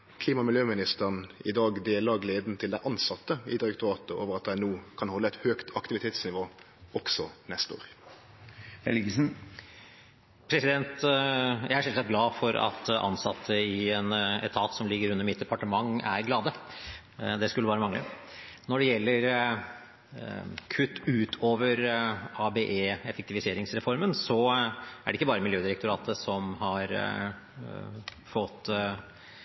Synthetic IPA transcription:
kʰliːmɑmɪljøːmɪnɪst̪əʁnɪd̪ɑːɡd̪eːlɑɡleːd̪n̩t̪ʰɪld̪æɪʔɑnsɑt̪ːəɪd̪ɪɾɛk̚t̪ʊɑːt̪əʔoːʋəʁɑt̪̚d̪æɪnuːkʰɑnhɔlːəɛt̪høːkt̪ʰɑkt̪ɪʋɪt̪ʰeːt̪snɪʋoː | ɔksɔnɛst̪o̰ːɾ | hɛlɡəsn̩ | pʰɾɛsɪd̪ɛnt̪jæɪæɾʂɛlt̪sɛt̪̚ɡlɑːfɔɾɑ̰t̪ʔɑ̰nsɑt̪ʰːəɪɛnɛ̰t̪ʰɑːt̪sɔmlɪɡːəɾʉnːəɾmɪt̪̚d̪ɛpɑʈəmɑŋːæ̰ɾɡlɑːd̪ə | d̪ɛskʉlːəɑːɾəmɑŋlə̰nɔɖɛjɛlːəɾ | kʰʉt̪ːʉːt̪ʰoːʋəɾɑbeʔeːɛfɛkt̪ɪʋɪseːɾɪŋsɾɛfɔɾmənsɔæɖɛɪkːəbɑːɾəmɪljøːd̪ɪɾɛk̚t̪ʊɾɑːt̪ʰəsɔmhɑɾ | fɔt̪ː

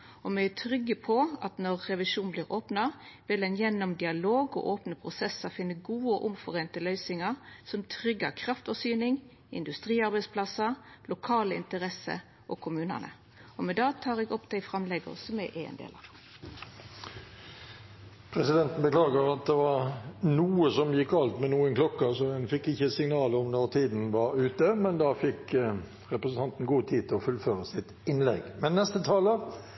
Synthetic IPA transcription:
ɔmɛæt̪ʰʁʏɡəpʰɔɑt̪nɔʁːɛʋɪʂuːn̩bliːɾoːpnɑʋɪlɛnjɛnːɔmd̪ɪɑloːɡɔ̰ʔoːpnəpʰʁʊsɛsɑfɪnːəɡuːəɔʔʊmfɔʁeːnt̪əlœʏsɪŋɑɾsɔmt̪ʰɾʏɡːɑ̰kʰɾɑft̪fɔsyːnɪŋ | ɪ̰nd̪ʉst̪ʁiːɑɾbæɪspʰlɑsɑlʊkʰɑːləɪ̰nt̪əɾɛsə̰ | ʔɔkʰʊmʉːnə̰nə̰ | ɔmɛd̪ɑːt̪ʰɑːʁɛːɡɔpd̪̥æɪfʁɑmlɛɡə̰ʁsɔmɛʔeːɛ̰nd̪ḛːlɑ̰ʋ | pʰɾɛsɪd̪ɛnt̪n̩bəklɑːɡəʁɑt̪̚d̪ɛʋɑʁnuːəsɔmjɪkːɑlt̪mɛnuːənkʰlɔkːɑsɔdɛnfɪkːɪçːəsɪŋnɑːləɔmnɔʁt̪ʰiːd̪n̩ʋɑɾʉːt̪əmɛnd̪ɑfɪk | ʁɛpɾəsn̩t̪ʰɑnt̪n̩ɡuːt̪ʰiːt̪ɪɔfʉlføːʁəsɪt̪ɪnlɛ̰ɡmɛnːɛst̪ət̪ʰɑːlə

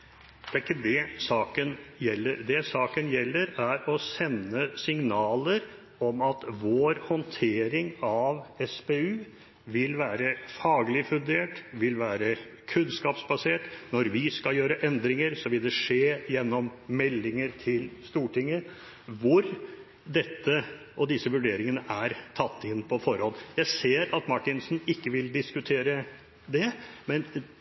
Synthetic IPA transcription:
d̪̥ɛæɾkːəd̪ɛsɑːkənjɛlːəɾd̪ɛsɑːkənjɛlːəɾæɾɔsɛnːəsɪŋnɑːləɾ | ɔmɑt̪ʋoːɾhɔnt̪ʰeːɾɪŋɑʋɛspeːʉː | ʋɪlʋæːɾəfɑːɡlɪfʉnd̪eːʈʋɪlʋæːɾə | kʰʉnskɑːpsbɑseːʈnɔɾʋɪskɑjøːɾəʔɛnd̪ɾɪŋəɾsɔʋɪld̪ɛʂeːjɛnːɔmmɛlːɪŋəɾt̪ʰɪlst̪uːʈʰɪŋːə | ʋʊɾ | d̪ɛt̪ːə | ʔɔd̪ɪsəʋʉɖeːɾɪŋənəʔæɾt̪ʰɑt̪ːɪnːpʰɔfɔɾhɔljæɪseːɾɑt̪mɑʈːɪnsn̩ɪkːəʋɪld̪ɪskʉt̪ʰeːɾə | d̪ɛmɛn

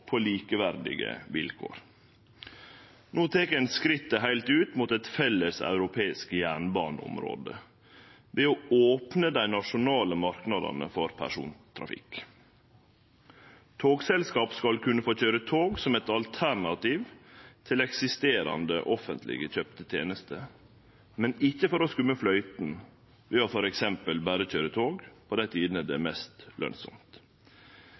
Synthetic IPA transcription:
pʰoːliːkəʋæɾd̪ɪ̰ɡə̰ʋɪlkʰo̰ːɾ | noːt̪ʰeːkæɪnskɾɪt̪ːəɦæɪlt̪ʉːt̪muːt̪ɛt̪fɛlːəsɑ̰ʉɾʊpʰeːɪskəjæːɳbɑːnəʊ̰mɾo̰ːd̪ə | ʋeːooːpnəd̪æɪnɑʂʊnɑːləmɑɾknɑd̪ɑ̰nə̰fɔɾpʰæ̰ʂṵːnt̪ʰɾɑ̰fɪ̰k | t̪ʰoːɡsɛlskɑːpskɑlkʰʉnːəfoːçøːɾət̪ʰoːɡsɔmɛt̪ɑlt̪ʰæɾɳɑt̪iʋt̪ʰɪlɛksɪst̪eːɾɑ̰nd̪ə̰ʔɔfənt̪ʰlɪ̰ɡəc͡çœpt̪ət̪ʰjḛːnəst̪ə | mɛnɪçːəfɔɾɔskʉmːəflœʏt̪n̩ | ʋɛːɔfɔɾɛksɛmpəlbæːɾəçøːɾət̪ʰoːɡpʰɔd̪æɪt̪ʰiːd̪ən̩æd̪ɛmɛst̪lʔœ̰nsɔ̰mt̪

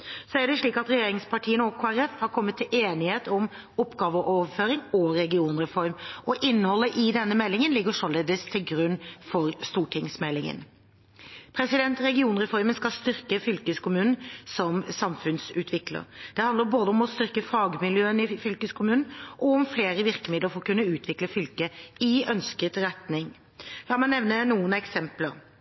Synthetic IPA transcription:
sɔæɖɛʂɭiːkɑt̪ɾɛjeːɾɪŋspʰɑʈʰiːənəɔkʰoːæɾɛfhɑɾkʰɔmːət̪ʰːɪlʔeːnɪheːt̪ɔm | ʊpɡɑːʋəʔoːʋəføːɾɪŋɔɾɛɡɪuːnɾɛfɔɾmʔɔʔɪnːəhɔlːəʔɪd̪ɛnːəmɛlːɪŋənlɪɡəʂɔleːd̪əst̪ʰɪlɡɾʉnːfɔɾst̪uːʈʰɪŋsmɛlːɪŋə̰n | pʰɾɛsɪd̪ɛnt̪ɾɛɡɪuːnɾɛfɔɾmənskɑlst̪ʏɾkəfʏlkəskʊmʉːnn̩sɔmsɑmfʉnsʉːt̪ʰʋɪklə̰ɾd̪̥ɛhɑnd̪əɾboːd̪əɔmɔst̪ʏɾkəfɑːɡmɪljøːənɪfʏlkəskʰʊmʉːnn̩ʔɔɔmfleːɾəʋɪɾkəmɪd̪əɾfɔʁkʉnːəʉːt̪ʰʋɪkləfʏlkəɪœnskət̪ɾɛt̪nɪŋ | lɑːmɑnnɛʋnənuːənɛksɛmpləɾ

